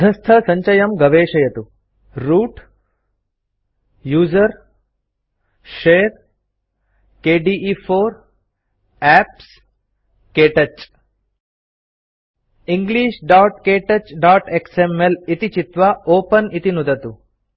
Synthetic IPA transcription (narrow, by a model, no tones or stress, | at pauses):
d̪ʱɐst̪ʰɐsɐɲt͡ʃɐjɐmɡɐʋeːʃɐjɐt̪u | ɾuːʈ | juːzɐɾ | ʃeːɾ | keːɖiːʔifʰoːɾ | æːps | keːʈɐt͡ʃ | iŋɡliːʃɖaːʈkeːʈɐt͡ʃɖaːʈeksemelit̪it͡ʃit̪ʋaoːpɐnit̪inud̪ɐt̪u